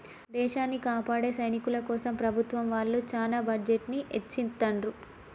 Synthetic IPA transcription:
d̪ɛːʃaːnːikaːpaːɽe̞ːsɐjnikulɐkɔːsɐmpɾɐbʱut̪ʋɐmʋaːlːut͡ʃaːlaːbɐɾd͡ʒeʈniʔet͡ʃːint̪ɐɳɾu

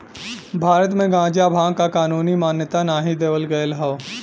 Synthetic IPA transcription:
bʱaːɾət̪mẽɡãːd͡ʒjabʱãːkakaːnuːnimaːnjət̪anaːɦid̪eːʋəlɡɐjəlɦɐo

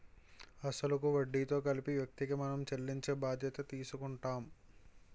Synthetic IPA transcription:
ɐsɐlɐkuʋɐɖːiːt̪o̞ːkɐlipiʋjɐk̚t̪iɡɐmɐnɐmt͡ʃɐlːiɲt͡ʃe̞ːbaːd̪ʱjɐt̪ɐt̪iːsukuɳʈaːm

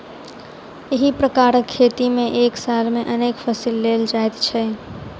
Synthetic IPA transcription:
eɦipɾəkaɾəkʰːet̪imẽʔeksalmeʔənekpʰəsilːeld͡ʒaet̪t͡ʃʰɛ

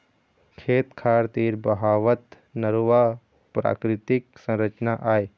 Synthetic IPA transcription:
kʰeːt̪kʰaːɾt̪iːɾbɐɦaːʋət̪ | nəɾuʋa | pɾa̰ːkɾɪt̪ɪk̚sə̃nɾət͡ʃnaʔaːe

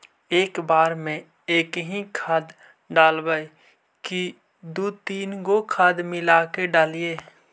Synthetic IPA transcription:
eːkbaːɾmẽ | eːkɦĩkʰaːd̪ | ɖaːlbaːi | ki | d̪ut̪iːnɡokʰaːd̪mɪlaːkeɖaːlieː

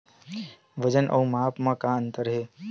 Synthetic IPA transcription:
ʋəd͡ʒənʔɐ̰umaːpmãkaə̃nt̪əɾɦeː

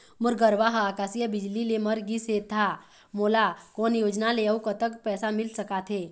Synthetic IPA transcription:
mʊɾɡəɾʋaɦaːkaːsijəbɪd͡ʒlileməɾɡiseːt̪ʰːa | moːlakoːnjoːd͡ʒnaleəukət̪əkpɛːsamɪlsəkat̪ʰɦeː

